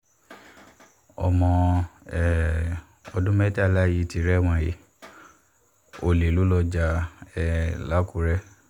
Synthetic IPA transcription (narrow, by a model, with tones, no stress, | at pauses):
ɔ̰˨mɔ̃˧ɛ˦˨ | ɔ˧dũ˦mɛ˦ta˦˨la˦ji˧˦ti˧ɾɛ˦w̃ã˨je˨˦ | o˨le˨lu˨˦lɔ˧d͡ʒa˧ɛ˨la˦ku˨˦ɾɛ˦